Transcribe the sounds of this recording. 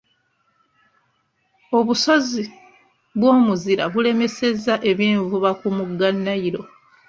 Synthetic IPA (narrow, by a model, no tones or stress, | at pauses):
o̞βusozi | βwo̞ːmuziɾa̰βule̞me̞se̞zaʔe̞βjiːɱvuβakumuɡːanːaiɾo̞